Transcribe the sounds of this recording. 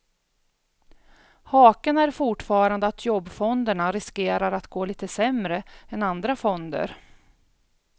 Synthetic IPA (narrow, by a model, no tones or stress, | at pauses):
hɑːkənæɾfʊʈfɑːɾand̪əat̪ʰjɔbːfɔnd̪əɳaɾɪskeːɾaɾat̪ɡoːliːt̪əsɛmɾəɛnand̪ɾafɔnd̪ə̰ɾ